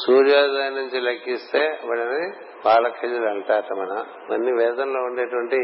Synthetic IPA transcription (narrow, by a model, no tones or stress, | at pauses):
suːɾjaːdaːnːuɲt͡ʃilɐkːist̪e̞ːʋɐɽɐni | paːlɐkʰed͡ʒulɐɳʈaːʈ̪ɐmɐnɐ | mɐ̰nːiʋɛːd̪ɐnloːuɳɖeːʈuʋɐɳʈi